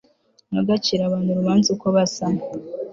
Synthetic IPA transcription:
noɡat͡ʃiɾaβaːnhuɾuβaːnzukoβasama

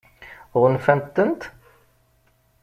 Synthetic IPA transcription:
ʁʊnfɛmt̪ːənt̪

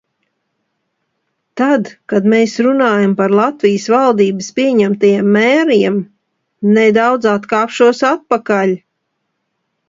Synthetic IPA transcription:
t̪ad̪kad̪meːsɾunaːjampaɾlˠat̪vijsvalˠd̪iːbɨspʲiɛɲæmt̪ajamːɛːɾiɛm | nɛd̪awd̪zat̪kaːpʃuɔsat̪̚pakaʎʲ

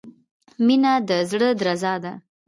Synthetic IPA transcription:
minad̪əzɽəd̪ɾazɑd̪a

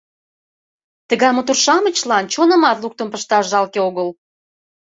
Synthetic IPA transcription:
t̪ə̆ɣɑjmot̪urʃɑmə̆t͡ɕlɑnt͡ɕonə̆mɑt̪luk̚t̪ə̆mpəʃt̪ɑʃʒɑlkeoɣəl

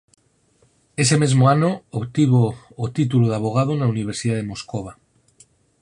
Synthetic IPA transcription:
e̞se̞me̞zmoanookt̪iβoː | t̪it̪̬uloðaβ̞oɣ̞að̞onauniβ̞eɾsiðað̞emo̞skoβ̞a

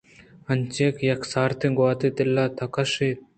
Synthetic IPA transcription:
ɐnt͡ʃeːkjɐksaːɾt̪ʰiɡwaːt̪it̪ɪlːaːt̪ʰɐkɐʃeːt̪̚

